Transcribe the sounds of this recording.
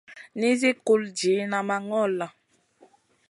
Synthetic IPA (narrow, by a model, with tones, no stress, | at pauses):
ni˦zi˦ku˦ld͡ʒi˨˦na˨ma˨ŋɔ˦˨la˨